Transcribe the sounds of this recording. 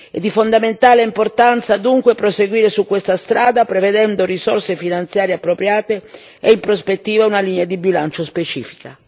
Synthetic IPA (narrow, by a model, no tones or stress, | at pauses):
ɛd̪ifond̪ament̪aːleimport̪ant̪sad̪uŋkwepɾoseɡwiːɾesukːwest̪ast̪ɾaːd̪apɾeved̪ɛnd̪orisɔrsefinant̪sjaːɾjeapːɾopɾjaːt̪e | eimpɾospet̪ːiːvaunaliːnead̪ibilant͡ʃospet͡ʃiːfi̥ka